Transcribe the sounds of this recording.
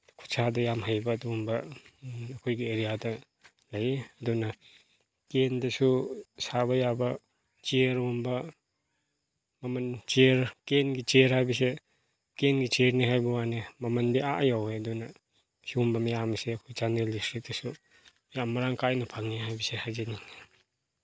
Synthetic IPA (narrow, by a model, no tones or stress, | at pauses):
kʰu̥sʰadɐjamɦajbɐːdumbɐ | ɐkʰojɡieɾijadɐ | lɐjeɐdunɐ | kendɐsusaβɐjabɐ | t͡ʃeɾumbɐ | mɐmɐnt͡ʃeɾkenɡit͡ʃeɾhajbis̬e | kenɡit͡ʃeɾniɦajbɐwanemɐmɐndiaʔjawejɐdunɐ | hiumbɐmijamɐseɐkʰojt͡ʃandelistɾit̚d̥ɐsu | mijamːɐɾaŋkajnɐpʰaŋiɦajbisehajzeniŋ